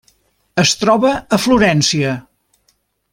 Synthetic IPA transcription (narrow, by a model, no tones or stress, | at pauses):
əst̪ɾɔβəəfluɾɛnsiə